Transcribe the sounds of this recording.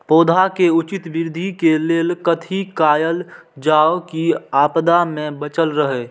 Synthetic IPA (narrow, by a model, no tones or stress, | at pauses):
poːd̪ʱakeʊt͡ʃɪt̪bɪɾd̪ʱikeleːlkət̪ʰikaːjəld͡ʒaːokiaːpd̪amẽbət͡ʃəlɾəɦeː